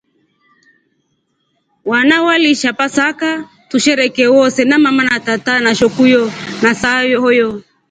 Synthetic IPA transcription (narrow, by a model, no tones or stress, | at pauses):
wanawaliʃapasaka | tuʃɛɾɛkɛwɔsɛnamamanatatanaʃɔkujɔnasajɔhɔjɔ